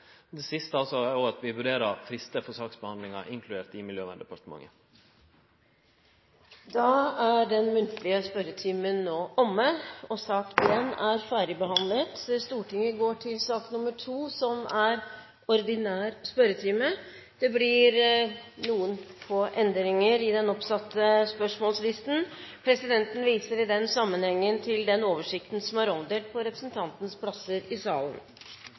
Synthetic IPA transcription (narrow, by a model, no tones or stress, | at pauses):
d̪ɛsɪst̪əɑlsɔæɾjuːɑt̪ʋɪʋʉɖeːɾəɾfɾɪst̪əfɔʂɑːksbəhɑnd̪lɪŋɑ̰ʔɪŋkʰlʉd̪eːt̪ɪmɪljøːʋɑ̰nd̪ɛpʰɑɾʈ̪t̪əmɑ̰ŋːə | d̪ɑːæɖɛnmʉnt̪ʰlɪəspœɾət̪ʰiːmənːoːʔɔmːəɔsɑːkjɛnːæɾfæːɾɪbəhɑnlət̪st̪uːʈɪŋəɡoːʈʰɪlsɑːknʊməʈʰuːsɔmæɾ | ɔɾd̪ɪnæːɾspœɾət̪ʰiːmə | d̪̥ɛblɪɾnuːənfoːʔɛnd̪ɾɪŋəɾɪd̪ɛnɔpsɑt̪ʰːəspœʂmɔːlslɪst̪n̩pʰɾɛsɪd̪ɛnt̪n̩ʋiːsəɾɪd̪ɛnsɑmːənhɛŋːənt̪ʰɪld̪ɛnoːʋəʂɪkt̪n̩sɔmæɾɔmd̪eːlt̪̚pʰɔɾɛpɾəsnt̪ʰɑnt̪nspʰlɑsːəɾɪsɑ̰ːlə̰n